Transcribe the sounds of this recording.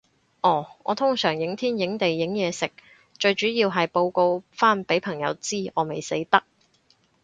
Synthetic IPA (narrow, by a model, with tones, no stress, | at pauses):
ʔɔː˨˩ɔː˨˧t̪ʰʊ˥ŋsœː˨˩ŋjɪ˨˥ŋt̪ʰiː˥njɪ˨˥ŋt̪e˨jːɪ˨˥ŋjɛː˨˧sɪ˨˩k̚ | t͡ʃɵ˧ɥt͡ʃyː˨˥jiː˧wɦɐ˨jpo˧wko˧wfaː˥npe˨˥jpʰɐ˨˩ŋjɐ̰˨˧wt͡siː˥˩ʔɔː˨˧me˨˩jsḛ˨˥jt̪ɐ˥k̚